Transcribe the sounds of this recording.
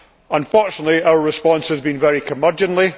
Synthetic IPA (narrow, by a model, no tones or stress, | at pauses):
ə̃nfɔɹt͡ʃənəʔlˠiaʊəɹɪspɔ̃nshəzbĩnvɛɹikʰəmɜ˞d͡ʒə̃nʔlˠi